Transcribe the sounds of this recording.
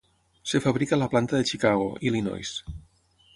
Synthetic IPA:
sefaβɾikalaplant̪aðet͡ʃikaɣ̞o̰ʔilino̰js

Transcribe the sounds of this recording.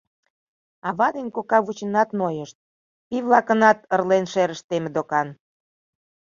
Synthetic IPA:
ɑβɑd̪enʲkokɑβut͡ɕə̆nɑt̪nojəʃt̪̚ | piβlɑkənɑt̪ərlenʃeɾə̆ʃt̪emĕd̪okɑn

